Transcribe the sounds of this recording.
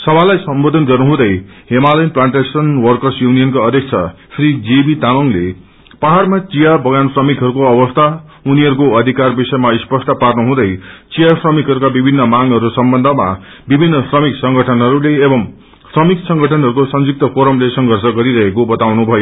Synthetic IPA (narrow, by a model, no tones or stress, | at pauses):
sʌbʱalajsʌmbod̪ʱʌnɡʌrnuɦũd̪ʌjɦemalʌjnplaɳʈesʌnwʌrkʌrsjunijʌnkoʌd̪ʱjʌk̚t͡sʰʌ | srid͡zebit̪amʌŋle | paɦarmat͡sijabʌɡansrʌmikɦʌɾukoʌbʌst̪ʰa | uniɦʌɾukoʌd̪ʱikarbisʌjmaispʌsʈʌparnuɦũd̪ʌjt͡sijasrʌmikɦʌɾukabibʱinːʌmaŋɦʌɾusʌmbʌnd̪ʱʌma̰ | bibʱinːʌsrʌmiksʌŋɡʱʌʈʰʌnɦʌɾuleːbʌm | srʌmiksʌŋɡʱʌʈʰʌnɦʌɾukosʌnd͡zuk̚t̪ʌpoɾʌmlesʌŋɡʱʌrsʌɡʌɾiɾʌɦekobʌt̪awnubʱʌjo